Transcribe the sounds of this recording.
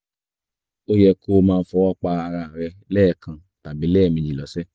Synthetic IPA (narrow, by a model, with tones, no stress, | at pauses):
o˦jɛ˧ko˦˧mãː˧n̩˦fɔ˧wɔ˦k͡pa˧a˧ɾa˧˨ɾɛ˧lɛː˦˨kã˧ | ta˨bi˨˦lɛː˦˨mĩ˧d͡ʒi˨lɔ˨˦sɛ˦